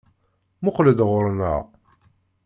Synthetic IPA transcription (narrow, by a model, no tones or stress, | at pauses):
mʊqləd̪ʁʊɾnə̰ʁ